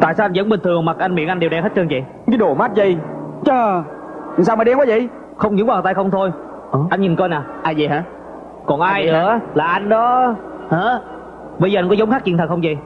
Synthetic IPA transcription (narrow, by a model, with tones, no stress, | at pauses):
t̪a̰ː˧˨saː˧a˧n̟zə̰˧˦nɓï˨˩t̪ʰɨ˨˩əŋma˨˩k̚ʔa˧nmḭ˧˨ənʔa˧ŋɗe˨˩wɗɛ˧nhə˦˥t̚t͡ɕɨː˧ŋt͡ɕḭ˨˩ | kaː˨˦ɗo˧˩ma˦˥t̚zə˨˩jt͡ɕəː˧˩˨ | ŋsaː˧wməː˨˩ɗɛ˧mkɔː˨˦zi˧˨ | xə˧wŋ͡mɲɨ̰˧˥˦ŋwaː˨˩t̪aː˧xə˧wŋ͡mt̪ʰo˧j | ʔəː˨˩ʔa˧ŋɲi˨˩nkɔ˧jnaː˨˩ʔaː˧jzi˨˩ɦaː˨˧˦ | kɔ˨˩nʔaː˧jnɨ̰ɨ̰˧˦əlaː˨˩ʔa˧jŋ̟ɗɔ˨˦ | haː˨ | ɓə˧jzəː˨˧nkɔ˨˦zə˨˦wŋ͡mxa˦˥k̚t͡ɕḭ˧˨t̪ʰə˨˩k̚xə˧wŋ͡mzi˨˩